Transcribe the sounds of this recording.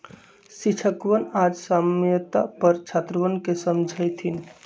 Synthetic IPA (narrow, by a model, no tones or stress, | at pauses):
sit͡ʃʰəkʋənad͡ʒsamjət̪a̰pəɾt͡ʃʰat̪ɾəʋənkesəmd͡ʒʱəjt̪ʰin